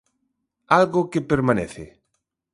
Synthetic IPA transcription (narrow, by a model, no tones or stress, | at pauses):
alɣokepeɾmãneθɪ̰